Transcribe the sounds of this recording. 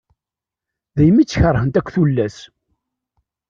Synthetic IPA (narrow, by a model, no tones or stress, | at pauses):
ðæjmit͡sːçəɾˤhənt̪ækʷːθulːæs